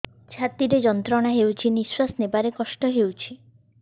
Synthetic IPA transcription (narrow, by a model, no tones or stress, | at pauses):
t͡ʃʰat̪iɾed͡ʒɔnt̪ɾɔɽ̃aɦewt͡ʃʰiniswasnebaɾekɔʃʈɔɦewt͡ʃʰi